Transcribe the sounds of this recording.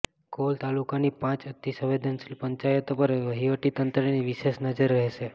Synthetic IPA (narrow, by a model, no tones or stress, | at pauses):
kolt̪alukanipãt͡ʃət̪ːisə̃ʋed̪ʱənsilpəɲt͡ʃajət̪opəɾʋəɦiʋəʈit̪ənt̪ɾeniʋiʃesnəd͡ʒəɾːəɦse